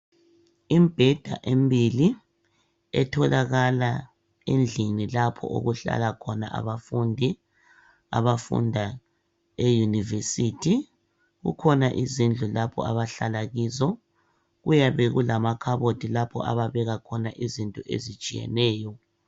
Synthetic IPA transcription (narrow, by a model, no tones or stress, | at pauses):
imb̥ʱɛd̥ʱa̰ʔembʱili | ɛ̰tʰɔlaɣala | end͡ɮʱinilapʰɔ̰ʔo̰ɣuɬa̰lakʰɔna̰ʔa̰βafundʱi | a̰βafṵndʱa | ejunivesitʰi | ɣṵkʰɔnaʔizind͡ɮʱulapʰɔ̰a̰βaɬalaɣiːzɔ | ɣujaβeɣulamakʰaβotʰʼilapʰɔa̰βaβɛɣakʰɔnaʔizintʼɔʔḛzit͡ʃʼijɛ̰nɛːjɔ